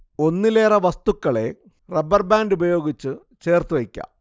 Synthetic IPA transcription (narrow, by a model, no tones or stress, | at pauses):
o̞nːile̞ːrɐʋɐst̪ukːɐɭe̞̰ | rebɐrbaːndubɐjo̞ːɡit͡ɕːɨ | t͡ɕe̞ːrt̪uʋekʲːɐ̰